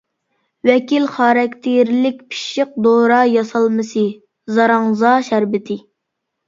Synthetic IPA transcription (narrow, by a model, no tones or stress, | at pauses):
wɛkʲilχɑːɾɑkʲt̪ʰɪɾlɪk̚ʲpʰi̥ʃəq̚d̪oɾɑːjɑsɑlˠmɨsɨ | zɑɾɑŋzɑːʃæɾbɪt̪ʰɪ